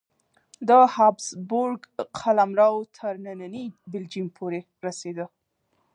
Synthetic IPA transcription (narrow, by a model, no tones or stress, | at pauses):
d̪əhɑbsbʊɾɡqʰalamɾɑwt̪ʰəɾnananibɪld͡ʒimpʰoɾe | ɾased̪ə